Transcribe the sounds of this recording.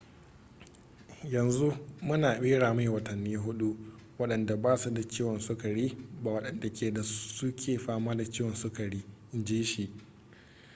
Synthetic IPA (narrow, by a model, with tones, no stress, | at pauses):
jɐ˨nzu˦mʊ˦naː˨ɓeː˦ɽaː˨ma˦jwɐ˨tɐ˨nːiː˦ɦʊ˦ɗu˦ʔ | wɐ˦ɗɐ˨nda˨baː˦su˦da˨t͡ʃeː˦wɔ˨nsʊ˦ka˨ɽiː˦baː˨wɐ˦ɗɐ˨nda˨kʲʰeː˨da˨sʊ˦kʲʰeː˨ɸaː˦maː˦da˨t͡ʃeː˦wɔ˨nsʊ˦ka˨ɽiː˦ʔɪ˦nd͡ʒiː˦ʃi˨ʔ